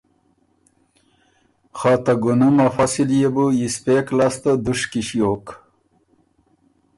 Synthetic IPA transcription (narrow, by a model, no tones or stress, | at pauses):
xaːt̪aɡunumafɐsiljebujispeːklast̪od̪uʂkiɕjoːk